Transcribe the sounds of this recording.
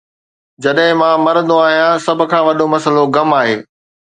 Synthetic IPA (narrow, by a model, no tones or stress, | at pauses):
d͡ʑɐɗɦɪ̃mãːmɐɾə̃nd̪oaːɦijãsɐbʱʊ̆kʰãːʋɐɗomɐsəloɡɐmaːɦeː